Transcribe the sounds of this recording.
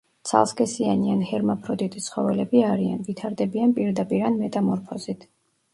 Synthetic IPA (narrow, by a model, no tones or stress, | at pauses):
t̪sʰa̰lˠskʰʼɛsianianhɛɾmapʰɾɔd̪it̪ʼit̪sʰχɔvɛlɛbiaɾia̰nvit̪ʰaɾd̪ɛbianpʼiɾd̪apʼiɾanmɛt̪ʼamɔɾpʰɔzit̪ʰ